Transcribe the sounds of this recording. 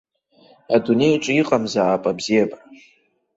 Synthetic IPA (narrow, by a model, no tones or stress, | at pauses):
adune̞jʈ͡ʂʼiqʼamzaːpʼabziabʼ